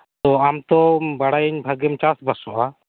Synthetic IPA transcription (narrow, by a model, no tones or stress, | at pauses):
t̪ɔamt̪ɔbaɽajiɲbʱəɡɛmt͡ʃasbasɔʔa